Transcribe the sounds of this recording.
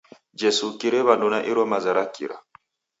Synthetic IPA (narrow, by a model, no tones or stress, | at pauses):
d͡ʒesukiɾeβandunaʔiɾɔmazaɾakːḭɾa̰